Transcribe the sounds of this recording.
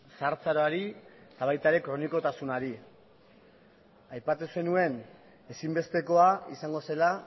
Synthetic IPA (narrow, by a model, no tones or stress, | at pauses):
saɾt͡saɾoaɾit̪aβ̞ajt̪aeɾe̞kɾo̞niko̞t̪asunaɾi | ajpat̪use̞nue̞n | e̞simbe̞st̪e̞ko̞aisaŋɡo̞se̞la